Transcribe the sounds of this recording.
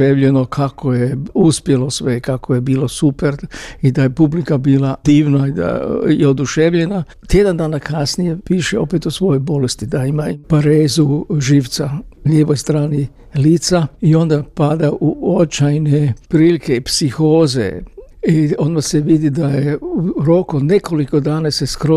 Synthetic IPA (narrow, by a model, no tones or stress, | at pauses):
eʋʎeno̞kʰakʰo̞jeuspjelo̞sʋeikakʰojebiːlo̞supeɾid̪ajepublikabiːlˠad̪iːʋnaid̪a̰jeod̪uʃeʋʎena | t̪je̞d̪and̪aːnakʰasnije̞piːʃeo̞pet̪usʋo̞jojbo̞lest̪id̪aimapaɾeːzuʒiːʋt̪saʎeːʋo̞jst̪ɾaːni | liːt̪saio̞nd̪apad̪aʔuot͡ʃajnepɾiːlikeipsixoːze̞̰io̞nd̪maseʋid̪id̪ajeuɾo̞kod̪ne̞ko̞liko̞d̪aːnase̞skɾo